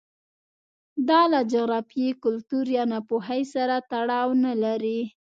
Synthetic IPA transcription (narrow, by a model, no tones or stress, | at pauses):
d̪ɑlad͡ʒaɣɾɑfjikʊlt̪uɾjɑnapoɦajsaɾat̪aɽɑwnalaɾi